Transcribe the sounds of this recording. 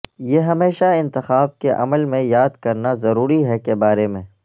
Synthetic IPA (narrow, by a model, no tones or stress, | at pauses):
jeːɦɐmeːʃaɪ̃nt̪ɪxaːb̚keʔɐ̰məlmẽjaːd̪kɐɾnazɐɾuːɾiɦɛkebaːɾemẽː